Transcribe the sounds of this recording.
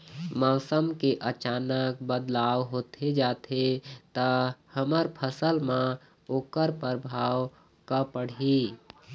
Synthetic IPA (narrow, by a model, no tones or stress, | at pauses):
mɔʊsəmkeʔət͡ʃanək̚bəd̪laʋɦot̪ʰed͡ʒat̪ʰet̪əhəməɾpʰəsəlmã | okəɾpəɾbʱaw | kəpəɽi